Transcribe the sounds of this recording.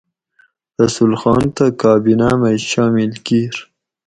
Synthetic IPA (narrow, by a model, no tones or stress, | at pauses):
ɾasulxɑːnt̪akɑːbinamajʃɑmɪlkiɾ